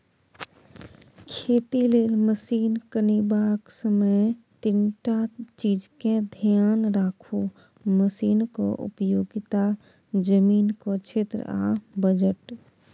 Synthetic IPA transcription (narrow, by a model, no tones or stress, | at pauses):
kʰeːt̪ileːlməsiːnkənibaːksəməjt̪ɪnʈat͡ʃiːd͡ʒkẽd̪ʱjaːnɾaːkʰu | məsiːnko̰ʔʊ̰pjoːɡɪt̪a | d͡ʒəmiːnkot͡ʃʰeːt̪ɾə̰a̰bəd͡ʒəʈ